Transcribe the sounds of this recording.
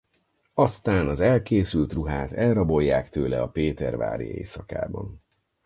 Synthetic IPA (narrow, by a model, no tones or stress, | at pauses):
ɒst̪aːnɒzɛlkeːsylt̪ruɦaːt̪ɛlrɒbo̞jːaːkt̪øːlɛɒpeːt̪ɛrva̰ːɾḭḛːsɒka̰ːbɒn